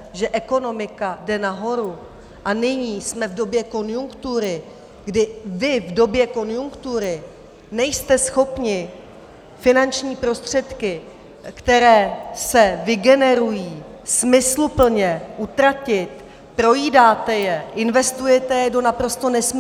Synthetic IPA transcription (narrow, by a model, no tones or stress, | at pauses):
ʒɛʔɛko̞no̞mɪkadɛnaɦo̞ɾu | ʔanɪɲiːsmɛvdo̞bjɛko̞njuŋkt̪uɾɪ | ɡdɪvɪvdo̞bjɛko̞njuŋkt̪uɾɪ | nɛjst̪ɛsxo̞pɲɪ | fɪnant͡ʃɲiːpɾo̞st̪r̝̥ɛt̪kɪ | kt̪ɛɾɛːsɛvɪɡɛnɛɾujiː | smɪslupl̩ɲɛʔut̪ɾacɪt̪ | pɾo̞jiːdaːt̪ɛjɛʔɪnvɛst̪ujɛt̪ɛjɛdo̞napɾo̞st̪o̞nɛsm